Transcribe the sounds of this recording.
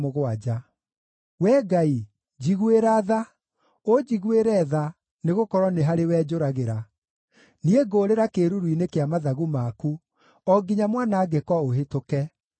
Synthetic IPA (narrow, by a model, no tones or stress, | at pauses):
moɣwad͡ʒa | wɛɡai | d͡ʑiɣweɾaːða | od͡ʑiɣweɾɛða | neɣokɔɾwɔneɦaɾewɛːd͡ʑoɾaɣeɾa | nieɡoːɾeɾakeɾuɾuinekeamaðaɣumaku | ɔɡiɲamwanaːɡɛkɔoɦetokɛ